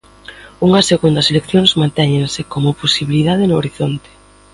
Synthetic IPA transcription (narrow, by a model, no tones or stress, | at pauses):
uŋɐseɣund̪ɐselekθjoŋzmãnt̪ɛɲẽŋsekomʊposiβiliðað̞ɪnʊoɾiθont̪e̥